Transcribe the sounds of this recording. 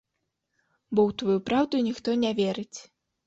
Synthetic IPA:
bɔwt̪vajupɾawd̪unʲixt̪ɔnʲavʲɛɾɨt͡sʲ

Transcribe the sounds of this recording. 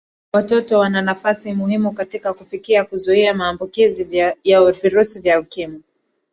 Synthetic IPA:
watɔtɔwananafasimuhimukatikakufikiakuzuiamaːmbukizijaviɾusivjaukima

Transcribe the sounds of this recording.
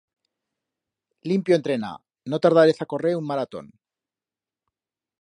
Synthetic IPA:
limpjont̪ɾe̞na̰ | no̞t̪aɾð̞aɾesako̞reunmaɾat̪o̞̰n

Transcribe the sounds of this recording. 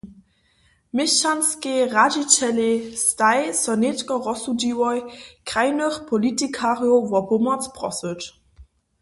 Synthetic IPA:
mɪɕanskeʁad͡ʑit͡ɕɛlestajsɔnetkɔʁɔsud͡ʑiwɔjkʁ̥ajnəxpʰɔlitikʰaʁjɔvɔpʊmɐt͡spʁɔ̰sət

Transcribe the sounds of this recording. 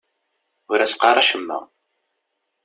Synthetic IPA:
ʊɾæsqɑɾˤɑʃəmːæ̰

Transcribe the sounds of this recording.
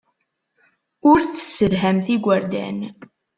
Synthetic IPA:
ʊɾθə̥səðɦæmθiɡʷəɾd̪æ̰n

